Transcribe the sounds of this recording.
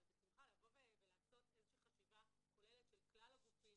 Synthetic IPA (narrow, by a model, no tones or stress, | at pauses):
abet͡sulχalavo̞veevelaːso̞t̪ezeʃiχaʃivako̞leletʃelklalaɡufim